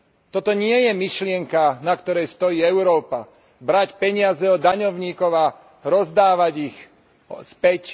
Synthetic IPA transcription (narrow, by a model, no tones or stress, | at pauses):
t̪ɔt̪ɔɲɪɛjɛmiʃlɪɛŋkanakt̪ɔɾɛjst̪ɔjiːɛʊɾɔːpa | bɾacpɛɲɪazɛɔd̪aɲɔʊɲiːkɔʊa | ɾɔzd̪aːʋaɟix | spɛc